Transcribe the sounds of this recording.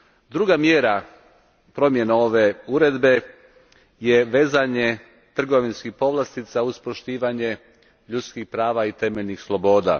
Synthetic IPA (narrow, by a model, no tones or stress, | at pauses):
d̪ɾuɡamjeɾa | pɾo̞mje̞nao̞ʋe̞uɾe̞d̪be̞ | jeʋe̞ːzaɲe̞ | t̪r̩ɡo̞ʋinskixpo̞ʋlˠast̪izauspɾoʃt̪iːʋaɲe̞ | ʎut̪skixpɾaːʋait̪e̞me̞ʎʲnixslˠo̞bo̞ːd̪a̰